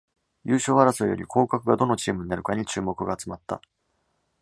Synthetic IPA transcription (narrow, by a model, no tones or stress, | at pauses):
jʔɯːɕo̞ːaɾasojoɾʲḭkʰo̞ːkakɯ̟ɡad̪o̞no̞t͡ɕiːmɯ̟ɲ̟inaɾɯ̟kaɲ̟it͡ɕɨːmo̞kɯ̟ɡaːt͡sɨmat̪ːa̰